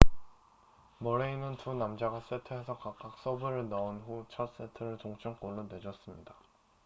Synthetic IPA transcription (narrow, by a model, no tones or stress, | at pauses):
mʌɾeinɯntunamd͡ʑaɡas͈etʰɯɦe̞sʰʌkak͈ak̚s͈ʌbɯɾɯɭnʌonɸut͡ɕʰʌt̚s͈e̞tʰɯɾɯɭt͡ɕoŋt͡ɕʰʌŋk͈oɭːonwe̞d͡ʑʌs͈ɯmɲida